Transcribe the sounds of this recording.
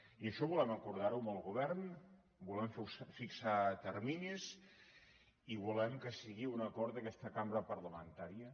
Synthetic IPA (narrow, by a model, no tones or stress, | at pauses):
iəʃɔβulɛməkuɾðaɾuməlˠɣuβɛɾn | bulɛmfsfiksat̪əɾmiɲiz | iβulɛmkəsiɣiunəkɔɾt̪əkɛst̪əkambɾəpərləmənt̪aɾiə